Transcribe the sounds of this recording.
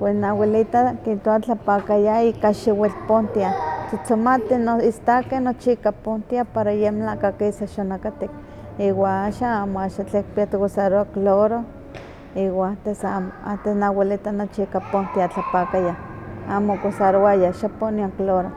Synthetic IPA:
pwesnawelit̪akit̪oat͡ɬapakajaikaʃiwelpont̪iat͡sat͡somat̪inoist̪akenot͡ʃiikapont̪iapaɾajemlakakeisaʃonakat̪ik̚ | iwaaʃaamoaʃat͡ɬek̚piat̪okosaɾoakloɾo | iwaat̪esamoat̪esnawelit̪anot͡ʃiikapont̪iat͡ɬapakajaamokosaɾoajaʃaponiaŋkloɾo

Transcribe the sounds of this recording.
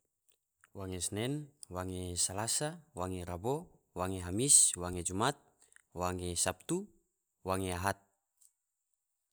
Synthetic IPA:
waŋesnɛnwaŋesalasawaŋeɾabo | waŋeɦamiswaŋed͡ʒumat̪̚ | waŋesap̚t̪u | waŋeaɦat̪̚

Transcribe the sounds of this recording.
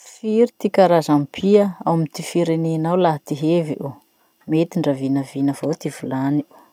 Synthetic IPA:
fiɾit̪ikaɾazampʰiəawmit̪ifiɾenenawlaɦt̪iɦeviʔu | met̪iɳɖ͡ʐəvinəvinəvot̪ivulani̥

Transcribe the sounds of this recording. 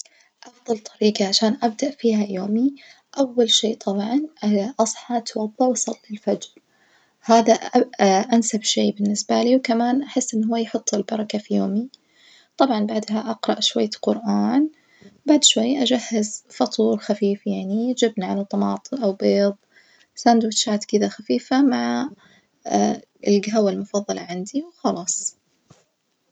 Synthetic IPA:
ʔɑfd̪ˤɑlt̪ˤʰɑɾiːqaʕaʃaːnʔab̚d̪aʔfiːɦajoːmi | ʔawːalʃeːʔt̪ʰˤɑbʕɑnʔʔɑsˤħɑt̪wɑðˤːɑwɑsˤɑlːilfad͡ʒɾ | haːðaʔansabʃeːbɪnːɪsbaliːwkamaːnʔaħɪsːʔɪnːɦʊwːajħʊt̪ˤːɪlbɑɾˤɑkafijoːmi | t̪ˤɑbʕɑnbaʕd̪ɦaʔɑqɾˤɑʔʃwajːaqʊɾʔaːn | baʕd̪ʃwajːʔad͡ʒahːɪzfɑt̪ˤuːɾxafiːfjaʕnid͡ʒɪbnʕalat̪ˤːɑmɑːt̪ˤɨʔawbeːðˤ | sand̪wɪt̪ʃaːt̪kɪðaxafiːfamaʕ | ɪlɡaɦawalmʊfɑðˤːɑlɑ̰ʕand̪iwxɑlɑːsˤ

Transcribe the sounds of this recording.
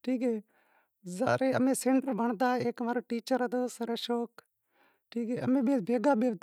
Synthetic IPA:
ʈʰiːkɦɛː | za̰ːɾeːəmẽːseːɳʈəɾbəɳd̪aːeːkmaːɾuːʈiːt͡ʃəɾɦət̪oːsəɾeːʃoːk | ʈʰiːkɦeːəmẽːɓeːbʱeːɡaːɓeːʋd̪

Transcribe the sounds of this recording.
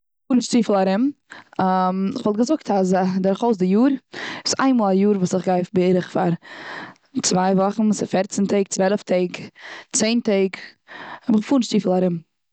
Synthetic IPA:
fuːɾnʃtiːfl̩ˠaɾɪm | amɪχvɔlˠtɡəzʊk̚tasadɪɾχoʊs̬dɪjuːɾɪsa̰ɪnmuːlˠajuːɾvuːsɪχɡaɪfbəɪɾəχfaɾ | t͡svaɪvɔχn̩sɪfɛɾt͡sɪntʰeɪːk̚t͡svɛlˠəftʰeɪɡt͡seɪnteɪk | hɛbɪχəfuːnʃtiːfl̩ˠaɾɪm

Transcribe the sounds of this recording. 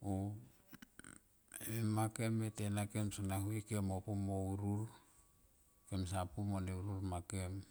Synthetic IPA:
o | emake̞metenake̞msanaɦuikemopumouɾul | ke̞msapumoneuɾulmake̞m

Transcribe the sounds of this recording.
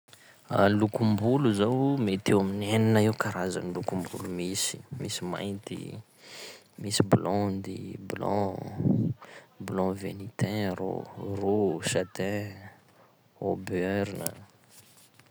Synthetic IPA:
alukumbuluzawmet̪ewamineninaiwkaɾaza̰nilukumbulumisi̥misima̰jnt̪ḭ | misiblɔ̃nd̪iblɔ̰̃ | blɔ̃venit̪ɛ̃ɾo̰roʃat̪ɛ̃ | obøɾinə̰

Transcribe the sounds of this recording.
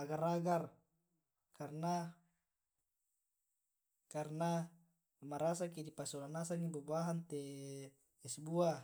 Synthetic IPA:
aɡaraɡar | karna | karna | maɾasakidipasolanasaŋibubuaɦant̪e | isbua

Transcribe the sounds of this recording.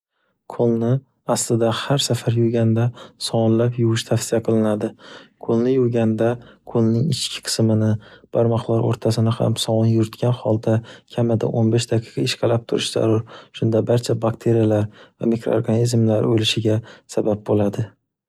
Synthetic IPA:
kʰolˠnɪ | aslɪd̪ahaɾsafaɾjʊɡʲand̪asɒwnlapjʊwɪʃt̪ʰafsɪjaqʰɨlɪnad̪ɪkʰolˠnɪjʊɡʲand̪akʰolˠnɪŋɪ̰t͡ʃkʲʰɪ̥qʰɨ̥smɪnɪb̥aɾmɒqlˠaɾo̰ɾt̪ʰasɪnɪha̰msɒwnjʊɾɪt̪kʲanhɒlˠd̪akʲʰamad̪a̰ʔonbeʃd̪aqʰi̥qɑɪʃqʰalap̚t̪ʰʊɾɪʃz̥a̰ɾʊɾʃʊnd̪abaɾt͡ʃʰabakt̪ʰe̞ɾijalaɾva̰mikɾo̰oɾɡanizmlaɾolɪʃɪɡʲasabap̚bolad̪ɪ

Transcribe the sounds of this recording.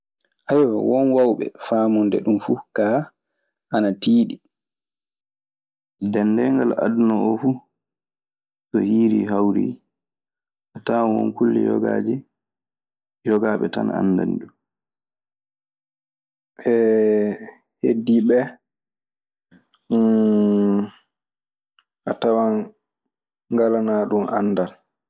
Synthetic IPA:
ʔajawɔnwawɓɛ̰faːmɔndɛ̰ɗumfuka | ʔanatiːɗi | dɛnːdɛŋɡala̰dnɔɔfu | sɔhiːɾiɦawɾḭ | ataːwɔ̰nkulːɛjɔ̰ɡa̰d͡ʒɛ | jɔɡaɓɛtana̰nːda̰nɗu | ʔɛ | hediɓɛ | ʔatawa | ŋɡalanaɗuma̰nːdal

